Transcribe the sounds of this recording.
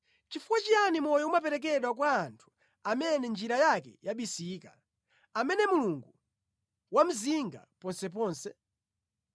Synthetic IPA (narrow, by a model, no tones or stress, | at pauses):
t͡ʃifuwat͡ʃijanimɔjɔumap̬ɛɾɛk̬ɛɗwak̬waːntʰu̥ | amɛnɛnd͡ʒiɾajakɛ̰jaɓisiːka | amɛnɛmuluŋɡu | wam̩ziŋɡa̰pɔnsɛp̬ɔːnsɛ